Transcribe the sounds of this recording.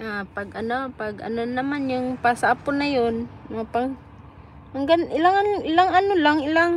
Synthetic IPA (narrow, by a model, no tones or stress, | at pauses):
ʔapɐɡʔɐnopaɡʔɐ̰nonɐmanjʊŋpasaʔapʊnajonpaŋ | haŋɡanɪlaŋanʔɪlaŋɐnolaŋɪlaŋ